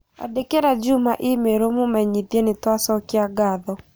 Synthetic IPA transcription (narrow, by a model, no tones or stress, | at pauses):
a̰dekeɾad͡ʒumaʔimeɾomumɛɲiðjɛnɪtwasɔkɪaɡaðɔ